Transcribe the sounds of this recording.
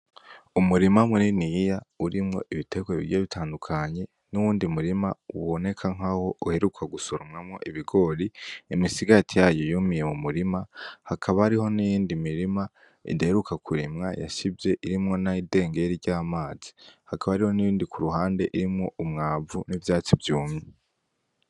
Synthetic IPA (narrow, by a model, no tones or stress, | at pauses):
umuɾimamuninijauɾimŋo̞̰ʔiβite̞ɡweḭɾjoβitʰaːndukʰaɲe̞ | nuwuːndimuɾimauβo̞ne̞kʰaŋ̥aho̞uhe̞ɾukʰaɡusoɾomŋamŋo̞̰ʔiβiɡo̞ɾiimisiɡatʰijajo̞jumije̞mumuɾimahakʰaβahaɾiho̞nijiːndimiɾima | ḭdaheɾukʰakʰuɾimŋaja̰ʃibje̞ʔiɾimŋo̞naide̞ːŋɡe̞ɾiɾɟaːmaːz̥i̥hakaβaɾiho̞nijiːndikuɾuɦaːnde̞ʔiɾimŋo̞ʔumŋaːvunivjaːt͡sivjuːmɲe